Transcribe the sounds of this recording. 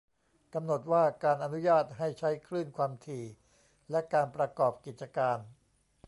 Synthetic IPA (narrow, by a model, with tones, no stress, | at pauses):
ka˧mno˨˩t̪̚waː˥˩kaː˧nʔa˧nu˦˥jaː˥˩t̪̚ɦa˥˩jt͡ɕʰa˦˥jkʰɾɯː˥˩nkʰwaː˧mt̪ʰiː˧˩ | lɛ˦˥kaː˧npɾa˧kɔː˨˩p̚ki˨˩t̪̚t͡ɕa˧kaː˧n